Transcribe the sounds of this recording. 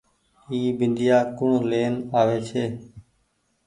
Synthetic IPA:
iːbɪnd̪ɪjaːkʊɳoleːnaːʋeːt͡ʃʰeː

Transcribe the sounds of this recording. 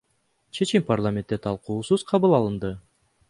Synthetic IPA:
t͡ʃʰe̞t͡ʃimparlˠamʲe̞nt̪ːe̞t̪ʰɑlˠquːsuz̥qʰɑβɯlˠɑlˠɯnd̪ɯ

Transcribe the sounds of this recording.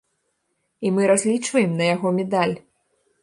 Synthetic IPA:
imɨɾazʲlʲit͡ʂvɐjɛmnɐjaɣɔmʲɛd̪alʲ

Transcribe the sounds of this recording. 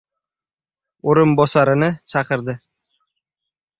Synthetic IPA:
oɾʊnbɒsaɾɪnɪt͡ʃʰɑqɨɾd̪ɪ

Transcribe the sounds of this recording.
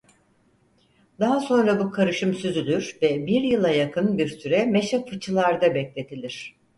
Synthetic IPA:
d̪aɦaso̞nɾabukʰaɾɯʃɯmsyzylʲyɾvɛbiɾjɯlˠajakʰɯnbiɾsyɾɛmeʃakfɯt͡ʃʰɯlˠaɾd̪abɛclʲe̞t̪ʰilʲiɾ̝̥

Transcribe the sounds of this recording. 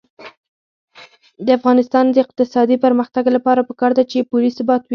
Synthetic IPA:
d̪əafɣɑnɪst̪ɑnd̪əɪq̚t̪ɪsɑd̪ipəɾməxt̪aɡlapɑɾapəkɑɾd̪at͡ʃepʊlisʊbɑt̪wi

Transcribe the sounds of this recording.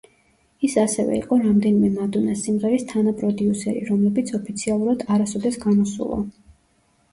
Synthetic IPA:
isasɛvɛ̰ḭqʼɔɾamd̪ɛnimɛmad̪unasimʁɛɾist̪ʰanapʼɾɔd̪iusɛɾḭɾɔmlɛbit̪sʰɔpʰit̪sʰialˠuɾad̪aɾasɔd̪ɛsɡanɔsṵlˠɔ̰

